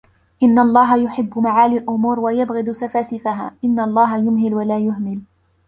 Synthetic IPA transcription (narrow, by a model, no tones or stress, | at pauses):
ʔɪnːaʔlˤːɑːɦajʊħɪbːʊmaʕaːlalʔʊmuːɾwajabɣɪd̪safaːsɪfaɦa̰ːʔɪnːaʔlˤːɑːɦajʊmhɪlwalaːjʊhmɪl